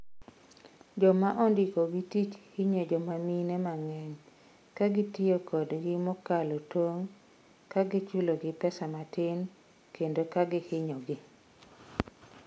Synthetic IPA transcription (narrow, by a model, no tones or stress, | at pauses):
d͡ʒɔmaʔɔndikoɡitit͡ʃhɪɲod͡ʒɔmaminɛmaŋɛɲ | kaɡɪtɪokʰɔdɡɪmɔkalotoŋ | kaɡɪt͡ʃuloɡɪpɛsamatɪn | kʰendokaɡɪhɪɲɔɡɪ